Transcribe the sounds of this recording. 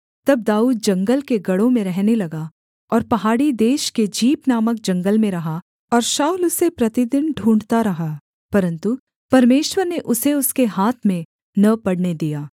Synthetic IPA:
t̪ɐb̚d̪aːuːd̪̚d͡ʒɐ̃ŋɡəlkeɡɐɽõmẽɾɛɦnelɐɡa | ɔːɾpɐɦaːɽid̪eːʃked͡ʒiːpnaːmək̚d͡ʒɐ̃ŋɡəlmẽɾɐɦa | ɔːɾʃaːulʊsepɾɐt̪id̪ɪnɖʱũːɳɖt̪aɾɐɦa | pɐɾə̃nt̪u | pɐɾmeːʃwəɾneʔʊseʊskeɦaːt̪ʰmẽ | nɐpɐɽned̪ijaː

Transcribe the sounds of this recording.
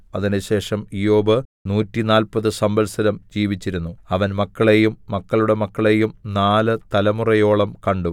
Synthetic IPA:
ɐðinɨɕe̞ːʂɐmijo̞ːbɨnuːtːinaːlpɐðɨsɐmbɐlsɐɾɐmd͡ʑiːʋit͡ɕːiɾunːuɐʋɐnmɐkːɐɭeːjumːɐkːɐɭuɽe̞mɐkːɐɭe̞ːjumnaːlɨt̪ɐlɐmurɐjo̞ːɭɐmkɐɳɖu

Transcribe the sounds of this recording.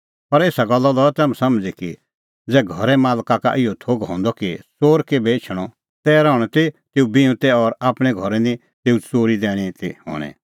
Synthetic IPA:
pɐɾeːsaɡɐlːɔlɔɛt̪ɛːmɛ̃sɐmd͡ziki | d͡zɛːɡʱɔɾɛmaːlkaka̰ʔɪɔt̪ʰoːɡɦɔ̰̃ːnd̪ɔkisoːɾkebeːt͡ʃʰɽ̃ɔ | t̪ɛːɾɔːɽ̃ɔt̪it̪eːubiũt̪ɛɔɾaːpɽ̃ɛ̃ɡʱɔɾɛnĩ | t̪eːut͡soːɾid̪ɛːɽ̃it̪iɦɔ̰̃ːɽ̃ɛ̰̃

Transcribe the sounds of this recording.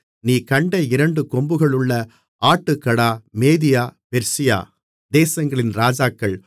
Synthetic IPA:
niːkɐɳɖɐɪɾɐɳɖɯkɔmbɯɣɐɭɯɭːɐ | aːʈːɯkːɐɽaːmeːðɪjaːpɛɾsɪja̰ː | d̪eːsɐŋɡɐɭɪnɾaːd͡ʒaːkːɐɭ

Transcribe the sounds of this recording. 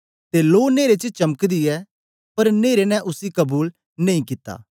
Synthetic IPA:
t̪eloːneːɾet͡ʃət͡ʃɐməkd̪iɛ | pɐɾneːɾenɛ̃ʔʊsikɐbuːl | nɐ̃ĩkɪt̪ːa̰ː

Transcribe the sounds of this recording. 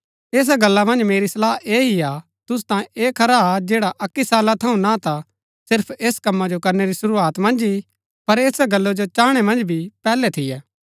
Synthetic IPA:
eːs̬aɡɐlːamɐ̃nd͡ʒmeːɾisɐlaːɦeːɦia | t̪ʊst̪ãːẽeːkʰɐɾaad͡ʒeːɽaʔɐkːisaːlat̪ʰɐũnat̪a | sɪɾpʰeːskɐmːad͡ʒokɐɾneɾisʊɾuaːt̪mɐ̃nd͡ʒi | pɐɾeːsaɡɐlːod͡ʒot͡ʃaːɽ̃ɛmɐ̃nd͡ʒbʱipɛːlɛt̪ʰɪjɛː

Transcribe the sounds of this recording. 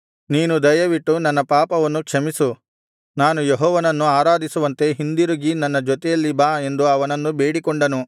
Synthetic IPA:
niːnud̪ɐjɐʋiʈːunɐnːɐpaːpɐʋɐnːukʂɐmisu | naːnujeɦɔːʋɐnɐnːuaːɾaːd̪isuʋɐnt̪e̞ɦind̪iɾuɡinɐnːɐd͡ʒɔt̪ɛjɐlːibaːe̞nd̪uɐʋɐnɐnːube̞ːɽikɔɳɖɐnu

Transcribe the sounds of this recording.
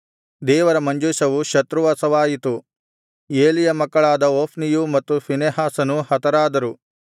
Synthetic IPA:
d̪ɛːʋɐɾɐmɐɲd͡ʒuʃɐʋuʃɐt̪ɾuʋaːsɐʋaːjit̪u | eːlijɐmɐkːɐɭaːd̪ɐoːpʰnijumɐt̪ːupʰineɦaːsɐnuhɐt̪ɐɾaːd̪ɐɾu

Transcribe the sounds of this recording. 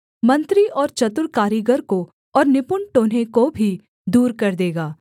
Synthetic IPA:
mɐ̃nt̪ɾiʔɔːɾt͡ʃɐt̪ʊɾkaːɾiɡəɾko | ɔːɾnɪpʊɳʈoːnɦẽkobʱi | d̪uːɾkɐɾd̪eːɡaː

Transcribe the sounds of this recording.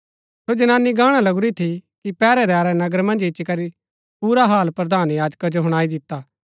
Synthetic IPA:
sod͡ʒɐnaːnːiɡaːɽ̃alɐɡʊɾit̪ʰikipɛːɾɛd̪aːɾɛnɐɡəɾmɐ̃nd͡ʒɪʃikɐɾi | puːɾaɦaːlpɾɐd̪ʱaːnjaːd͡ʒkad͡ʒoɦʊɽ̃aːid̪ɪt̪ːaː

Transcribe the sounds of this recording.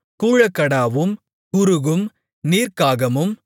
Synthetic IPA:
kuːɻɐkːɐɽaːʋɯm | kʊɾɯɣɯm | niːɾkaːɣɐmɯm

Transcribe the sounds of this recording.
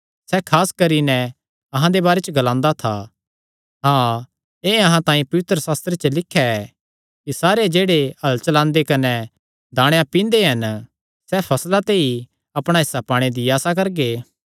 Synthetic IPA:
sɛkʰaːskɐɾinɛ | ɐɦãd̪ebaːɾet͡ʃəɡɐlãːnd̪at̪ʰa | ɦãː | eːɐɦãt̪ãːĩpɐʋɪt̪ɾəsaːst̪ɾet͡ʃəlɪkʰːjaɛː | kisaːɾed͡ʒeːɽeɐlt͡ʃɐlãːnd̪ekɐnɛ | d̪aːɽ̃jãpĩːnd̪eɦɐn | sɛpʰɐslat̪eːi | ɐpɽ̃aɪsapaːɽ̃ed̪iaːsak̬ɐɾɡeː

